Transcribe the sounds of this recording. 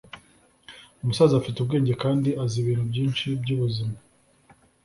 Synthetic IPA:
umusaːziafitub̚ɡe̞ːɲɟe̞kaːndiʔaziβiːnhubɟiːnt͡ʃibɟuβuzima

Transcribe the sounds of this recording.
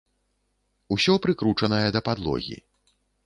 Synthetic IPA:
usʲɔpɾɨkɾut͡ʂɐnɐjɛd̪ɐpad̪lˠɔ̰ɣʲḭ

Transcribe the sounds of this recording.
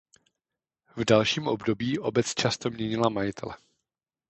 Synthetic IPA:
vdalʃiːmʔo̞bdo̞biːʔo̞bɛt͡st͡ʃast̪o̞mɲɛɲɪlamajɪt̪ʰɛlɛ

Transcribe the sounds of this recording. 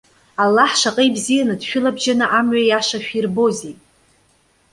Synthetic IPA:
alːaħʂaqʼejbzijanɨdʃᶣʊlabʒanɨʔamɥajaʂaʃᶣirbo̞zejtʼ

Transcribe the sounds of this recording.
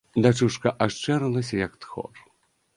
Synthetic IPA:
d̪at͡ʂuʂkɐʔaʂt͡ʂɛɾɨlˠɐsʲɐjɐkt̪xɔ̰r

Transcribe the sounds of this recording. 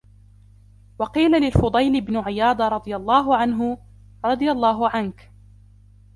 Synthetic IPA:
wɑqiːlalɪlfʊd̪ˤɑjlɪbnʊʕɪjɑːd̪ˤɾˤɑd̪ˤɨjalˤːɑːɦʊʕanɦʊ | ɾˤɑd̪ˤɨjalˤːɑːɦʊʕank

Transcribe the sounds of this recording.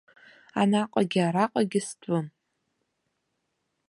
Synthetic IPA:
a̰naqʼaɡʲɪaɾaqʼaɡʲɪstʷʼʊn

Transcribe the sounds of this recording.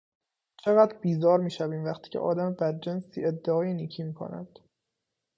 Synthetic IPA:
t͡ʃʰe̞ɣæd̪ɾbiːzɒːɾmiːʃæviːmvæxt̪ʰiːcʰḛʔɒ̰ːd̪æmebæd̪̚d͡ʒensḭed̪ːeɒːjeniːcʰiːmiːkʰo̰næ̰d̪̥

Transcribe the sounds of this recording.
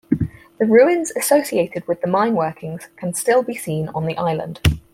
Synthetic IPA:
ðəɹʉːɪ̃nz̥əsəʊsieɪtʰɪdwɪðəmãɪ̃nwɜˑkʰɪ̃ŋz̥kʰə̃nstɪlˠbisĩːnə̰̃nðiʔaɪlə̰̃nd̥

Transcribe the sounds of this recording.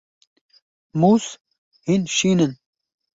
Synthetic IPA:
muːs | hinʃiːnən

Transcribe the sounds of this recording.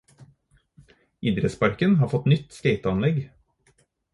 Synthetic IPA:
iːd̪ɾəspɑɾkənhɑːɾfɔt̪nʏt̪skeɪt̪ɑnlɛɡ

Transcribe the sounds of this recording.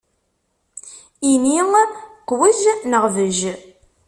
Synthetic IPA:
iniŋqːwiznəʁvəʒ

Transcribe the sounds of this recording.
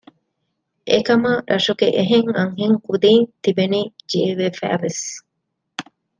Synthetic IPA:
ʔḛkɐmɐɾʔɐʂuɡeʔeɦeŋɐŋɦiŋkud̪iːnt̪ibeniːd͡ʒieʋefæ̰ːʋes

